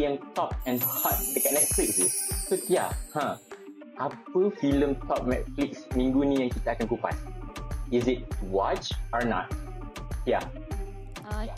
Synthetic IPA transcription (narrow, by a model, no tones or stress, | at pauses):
ɛ̃ntɔp̚ɛ̃nhɔt̚dəkanɛt̚fliksisotja̰hã | ʔapəfilə̃mtɔp̚mɛ̰t̚fliksmĩŋɡunĩɛ̃ŋkit̪akɛ̃nkupa̰t̚izit̚wɔt͡ʃɔnɔ̰t̚tja